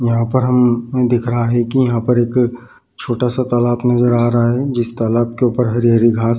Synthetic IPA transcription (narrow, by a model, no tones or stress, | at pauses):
jɐɦãpɐɾɦɐmd̪ɪkʰɾɐɦaɦɛkijɐɦãpɐɾeːk | t͡ʃʰoːʈasat̪ɐlaːbnɐzəɾaːɾɦaɦɛd͡ʒɪst̪alaːb̚keuːpəɾɦɐɾijaɾiɡʱaːs